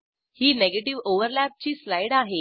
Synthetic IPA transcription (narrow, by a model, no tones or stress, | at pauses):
hiːneɡeʈiʋoʋəɾlæp̚t͡ɕiːslajɽaɦe